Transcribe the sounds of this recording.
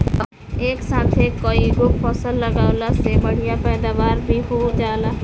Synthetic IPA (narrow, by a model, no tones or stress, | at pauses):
eːksaːt̪ʰeːkːoːiɡʊkpəsəlːəɡaːlasebəɽ̤ijãpɛːd̪aːʋaːɾbʱiɦoːd͡ʒaːlaː